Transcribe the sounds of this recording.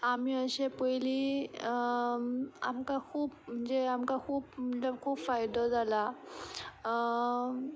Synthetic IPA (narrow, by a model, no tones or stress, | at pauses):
amiːəɕepəjliː | a̰mkakʰuːpm̤əɳd͡zeamkakʰuːpəakʰuːpfajd̪əd͡zala